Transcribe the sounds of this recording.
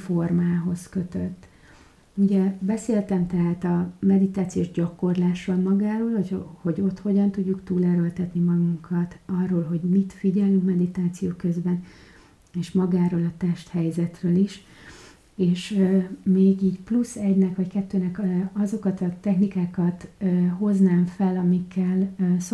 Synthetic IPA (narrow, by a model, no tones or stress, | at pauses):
formaːɦo̞skø̞t̪øt̪ː | uɟɛbɛseːlt̪ɛmt̪ɛɦaːt̪ɒmɛd̪it̪aːt̪sijoːʒɟɒko̞rlaːʃommɒɡaːɾoːlhoho̞ɟo̞t̪ho̞ɟɒnt̪uɟːukt̪uːlɛɾølt̪ɛt̪nimɒɡuŋkʰɒt̪ɒrːoːlɦo̞ɟmit̪fiɟɛlyŋkmɛd̪it̪aːt̪sijoːkø̞zbɛn | eːʃmɒɡaːɾoːlɒt̪ɛʃt̪hɛjzɛt̪røːliʃ | eːʃmeːɡiːɟplusːɛɟnɛkʋɒckɛt̪ːøːnɛkɒzo̞kɒt̪ɒt̪ɛxnikaːkɒt̪ːɦo̞znaːɱfɛlɒmikʰːɛls